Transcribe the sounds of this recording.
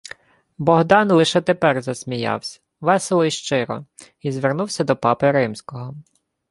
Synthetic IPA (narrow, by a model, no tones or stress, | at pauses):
bɔɦd̪ɑnlˠɪʃɛt̪epɛrzɐsʲmʲijɑ̰wsʲɐ̥ | ʋɛselˠɔiʃt͡ʃɪɾɔ̰ | izʋernuwsʲɐd̪ɔpɑpɪɾɪmsʲkɔɦɔ